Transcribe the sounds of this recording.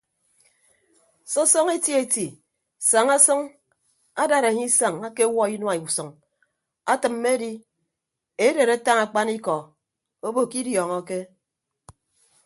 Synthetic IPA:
sɔ˦sɔ˦ŋe˦ti˦e˨ti˨ | sa˨ŋa˦sɔ˦ŋ | a˦da˨ɾa˨ɲi˦sa˨ŋa˦ke˦wɔ˦i˦nwa˨i˨sɔ˨ŋ | a˦tɨ˨mː˦e˦di˦ | e˦de˨ɾe˦ta˦ŋa˨k͡pa˦ni˦kɔ˨ | o˦bo˨ki˦djɔ˨ŋɔ˦ke˦

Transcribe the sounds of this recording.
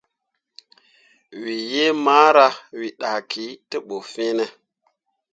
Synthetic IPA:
wi˨je˦maː˦ɾa˦wi˨ɗa˨kʰi˨˦tə˦ɓo˨fe˦nə˨

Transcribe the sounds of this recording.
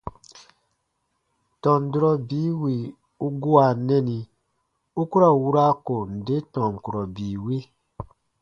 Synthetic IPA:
tɔ̃˨n˨du˦ɾɔ˦biː˦wi˨ | u˦ɡu˦a˨nɛ˦ni˧ | u˦ku˦ɾa˨wu˦ɾa˦ko˨n̩˨de˦tɔ̃˨ŋ̩˨ku˨ɾɔ˨biː˨we˦

